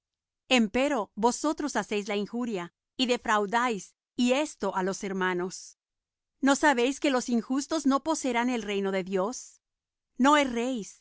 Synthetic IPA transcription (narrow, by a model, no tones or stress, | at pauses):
e̞mpe̞ɾo̞βo̞so̞t̪ɾo̞sase̞jzlaiŋxuɾja | iðe̞fɾawðajs | ie̞st̪o̞ʔalo̞se̞ɾmano̞s | no̞saβe̞jske̞lo̞siŋxust̪o̞zno̞po̞seɾane̞lre̞jno̞ðe̞ðjos | no̞esrejs